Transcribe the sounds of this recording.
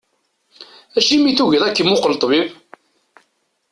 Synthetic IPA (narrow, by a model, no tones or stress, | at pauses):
æʃimiθuʝðˤækːəmʊqəlt̪ˤvið